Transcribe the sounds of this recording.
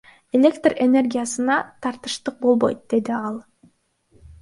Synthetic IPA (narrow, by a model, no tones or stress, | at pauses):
e̞lʲe̞kt̪re̞ne̞rɡʲijasɯnɑt̪ʰɑɾt̪ɯ̥ʃt̪ɯq̚bo̞lˠbo̞̰jt̪̚d̪̥e̞d̪iɑlˠ